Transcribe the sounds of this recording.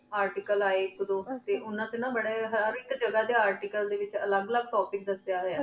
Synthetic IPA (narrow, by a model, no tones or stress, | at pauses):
aːɾʈiːkəlaːekd̪õːt̪eːʔʊnãːt͡ʃənãːbəɽeːɦəɾɪkd͡ʒəɡaːd̪eːaːɾʈiːkəld̪eːʋɪt͡ʃə̰ləɡələɡ̚ʈɔːpɪk̚d̪əsjaːɦəjaː